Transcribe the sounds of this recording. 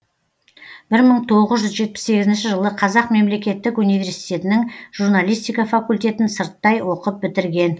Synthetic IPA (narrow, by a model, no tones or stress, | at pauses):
b̥ɪɾməɴt̪ʰo̞ʁəzʒʏzʒe̞t̪̚pɪ̥sːe̞ɡʲɪzɪnʃɪʒəlˠəqʰɑzɑqme̞mle̞kʲe̞t̪ːɪkunijvʲe̞ɾsijt̪e̞t̪ɪnɪŋʒuɾnalʲijst̪ijkɑfakulʲt̪e̞t̪ɪnsəɾt̪ːɑjwo̞qəp̚bɪt̪ɪɾɡʲe̞n